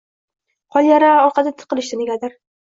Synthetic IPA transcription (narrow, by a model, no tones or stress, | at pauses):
qʰɒlˠjaɾaɒɾqʰɑd̪at̪ʰɨ̥qɨlˠɪʃd̪ɪneɡʲad̪ɪɾ